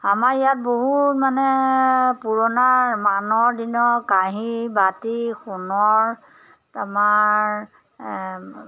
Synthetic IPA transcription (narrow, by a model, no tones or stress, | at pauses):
amaɹijat̚boɦutmanɛpuɹɔnaɹmanɔɹdinɔkaɦibatixunɔɹ | tamaɹ